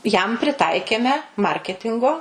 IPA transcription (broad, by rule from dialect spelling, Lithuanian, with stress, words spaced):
jɛm pʲrʲɪˈtɐɪkʲeːmʲɛ ˈmɐrʲkʲɛtʲɪŋɡoː